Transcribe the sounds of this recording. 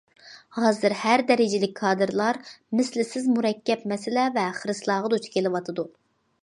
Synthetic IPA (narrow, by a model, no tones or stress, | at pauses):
hɑːzɨɾhæɾd̪ɛɾɪd͡ʒɪlɪk̚ʲkʰːɑːd̪ɨɾlˠɑɾmɪslɪsɪzmuɾɛkʲːɛpmɛsɪlɛvɛχəɾɨslˠɑːʁəd̪ot͡ʃ̪ʰɪ̥kʲelˠɨwɑt̪ʰɨd̪u